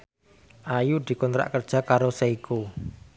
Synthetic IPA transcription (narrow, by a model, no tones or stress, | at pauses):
ʔajud̪̥i̤kɔnt̪ɾa̰ʔkərd̥ʒ̥a̤kaɾoseiku